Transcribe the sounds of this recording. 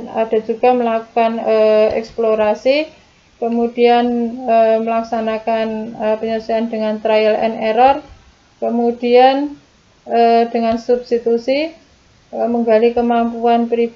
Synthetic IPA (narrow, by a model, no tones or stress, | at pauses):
a̰d̥a̤d͡ʒuɡ̥a̤məlakukanəɛ̰ksploɾasi | kəmud̥ianəməlaksanakanəpəɲasuandəŋant̪ɾajəlɛ̰nɛɾɔr | kəmud̥ian | əd̥əŋansub̥st̪it̪usi | əməŋɡalikəmampuanpɾi